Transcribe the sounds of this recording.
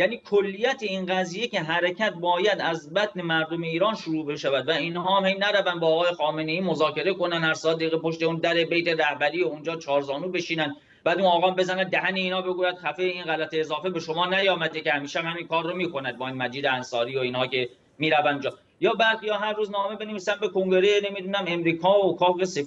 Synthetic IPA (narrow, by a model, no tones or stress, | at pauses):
jæːniːkʰolːijæt̪ʰeinɢæziːje̞cʰe̞ɦæɾecʰæt̪̚bɒːjæd̪æzbæt̪ne̞mæɾd̪ome̞iːɾɒːnʃuɾuːbe̞ʃævæd̪væiːnhɒːæmhejnæɾævænd̪bɒːɣɒːje̞xɒːme̞ne̞iːmo̞zɒːke̞ɾeko̞nænd̪hæɾsɒːd̪eiɣepʰo̞ʃt̪euːnd̪æɾe̞bejt̪e̞ɾæhbæɾiːound͡ʒɒːt͡ʃʰɒːɾzɒːnuːbe̞ʃiːnæn | b̥æːd̪unɒːɣɑːmbe̞zænæd̪d̪æhæneiːnhɒːbe̞ɡuːjæd̪̥xæfejeiːnɣælæt̪ʰeːzɒːfe̞be̞ʃo̞mɒːnæjɒːmæd̪ecehæmiːʃeæmhæminkʰɒːrːomiːkʰo̞næd̪̚bɒːiːnmæd͡ʒiːd̪eænsɒːɾiːoiːnhɒːke̞ | miːɾævænd̪ud͡ʒɒː | jɒːbæɾijɒːɦæɾːuːznɒːme̞be̞neviːsænbe̞kʰoŋɟe̞ɾeenemid̪uːnæme̞mɾiːkʰɒːokʰɒːɣese